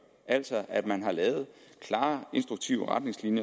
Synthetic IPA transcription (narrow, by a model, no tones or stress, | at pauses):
ʔæl̰sɒʔæd̥mænɦɑ̈lɛːʊð̞̩ˠkʰlɑ̈ːe̝nsd̥ʁuɡ̥̚t͡sʰiʊəʁäd̥ne̝ŋslinjɐ